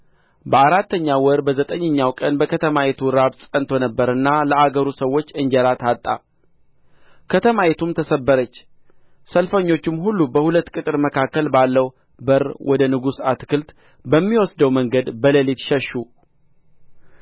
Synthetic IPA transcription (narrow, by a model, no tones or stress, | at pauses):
bəaɾat̪ːəɲːawɔɾbəzət̪ʼəɲːəɲːawkʼənbəkʰət̪ʰəmajet̪ʰuɾaβsʼənt̪ʰo̞nəbːəɾɨnːaləaɡəɾusəwːo̞t͡ʃːɨɲd͡ʒəɾat̪ʰat̪ʼːa̰ | kʰət̪ʰəmaet̪ʰumt̪ʰəsəbːəɾət͡ʃː | səlfəɲːo̞t͡ʃːɪmhulːubəhulət̪ːkʼɨt̪ʼɨɾməkʰakːəlbalːəw | bəɾwʔɔd̪ənɨɡusat̪kʰɨlt̪ | bəmːiwɔsd̪əwməŋɡəd̪bələlit̪ʃəʃːu